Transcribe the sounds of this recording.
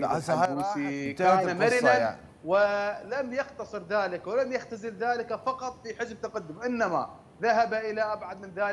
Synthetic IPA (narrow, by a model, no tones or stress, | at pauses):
ikaːnamaɾɪnan | wɪlamjɑqt̪ɑsˤɨɾðaːlɪkwɪlamjaɣt̪azɪlðaːlɪkafɑqɑt̪ˤfiħɪzb̚t̪aqad̪ːʊmʔɪnːama̰ | ðaɦabaʔɪlaʔabʕad̪mɪnðaː